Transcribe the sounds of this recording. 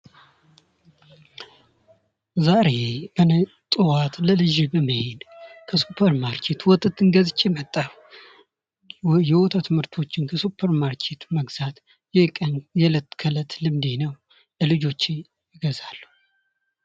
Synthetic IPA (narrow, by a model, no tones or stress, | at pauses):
zaɾe̞bən | t̪ʼɨwat̪ləlɨʒɪbəməhed̪kʰəsupʰəɾmaɾkʰe̞t̪wɔt̪ʰʼət̪ːɨŋɡəzɨt͡ʃʼːɛmət̪ʼːalu | jɛwɔt̪ʰat̪ʰɨmhɨɾt̪ʰo̞t͡ʃːɪnkʰəsupʰːəɾmaɾkʰe̞t̪məɡz̥at̪ | jɛkʼənjɛlət̪ːkʰələt̪lɨmd̪enəw | ləlɨd͡ʒo̞t͡ʃː | jɪɡəzalːu